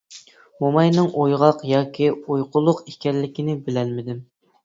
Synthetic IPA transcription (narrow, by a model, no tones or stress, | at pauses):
momɑjnɨŋʔojʁɑqjɑːkʲʰiojqʊlˠʊqikʲɛɾlɪkʲinɪbɪlɛlmɪd̪ɪm